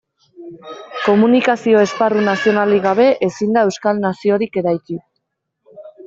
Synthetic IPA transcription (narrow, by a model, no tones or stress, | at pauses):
ko̞munikasio̞e̞sparunasio̞naliɣaβ̞e̞ʔesind̪ae̞wskalnasio̞ɾike̞ɾajt͡ʃi